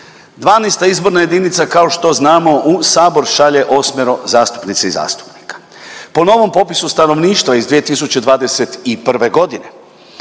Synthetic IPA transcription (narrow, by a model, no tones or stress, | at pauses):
d̪ʋaːnest̪aizbo̞ɾnaje̞d̪init̪sakao̞ʃt̪o̞znaːmo̞ʔusaːbo̞ɾʃaʎe̞ʔo̞smeɾozaːst̪u̥pnit̪seiza̰ːst̪u̥pni̥kḁ | po̞no̞ʋo̞mpo̞pisust̪ano̞ʋniːʃt̪ʋaizd̪ʋije̞t̪isut͡ɕe̞d̪ʋaːd̪e̞se̞t̪ipr̩ʋe̞ɡo̞d̪ine